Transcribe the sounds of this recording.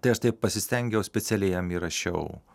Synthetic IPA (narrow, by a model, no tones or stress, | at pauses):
t̪ɐɪɐʃt̪ɐɪppɐsʲɪsʲt̪ʲɛŋʲɡʲɛʊsʲpʲɛt̪sʲɛlʲɛjɛmiɾɐʃʲɛ̰ʊ